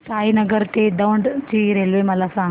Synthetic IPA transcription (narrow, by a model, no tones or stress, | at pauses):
ʈaːinɐɡəɾt̪eɖawɳɖt͡ɕiːɾeːlʋemɐlasã